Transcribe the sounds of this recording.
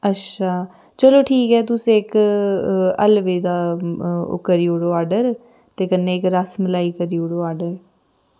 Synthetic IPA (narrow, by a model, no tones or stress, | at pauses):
ətːʃʰaː | t͡ʃəloːʈʰiːkɦɛːt̪̬ʊsẽːɪk | ə̰lʋeːd̪aːʊ̰kːəɾiːoɽoːaːɖəɾ | t̪eːkənːeːɪkɾəsməlaːiːkəɾiːoɽoːaːɖəɾ